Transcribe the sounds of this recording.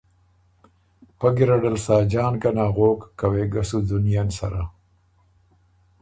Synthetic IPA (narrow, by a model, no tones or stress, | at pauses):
paɡɪɾaɖalsaːd͡ʒɑːnɡanaːɣoːkːaweɡasud̪ʊnjansa̰ɾa